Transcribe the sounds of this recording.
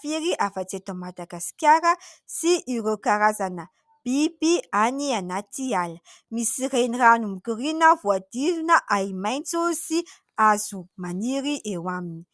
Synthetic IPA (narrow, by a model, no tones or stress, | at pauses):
fiɾiʔafət͡set̪əmad̪aɡasi̥kʲjaɾəsiʔiɾekaɾazanə | b̥ibianianat̪ialə | misireniranumukurinəvuad̪̥ilunəʔaimajnt͡susi | azumaniɾiʔewamini̥